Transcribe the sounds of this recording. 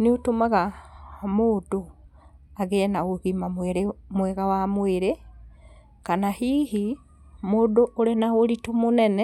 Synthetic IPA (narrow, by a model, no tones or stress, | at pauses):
neotomaɣamoːdo | aɣenaɣoɣimamwɛɾemwɛɣawamweɾe | kanahiːɦi | moːdoʔoɾenaoɾitumonɛnɛ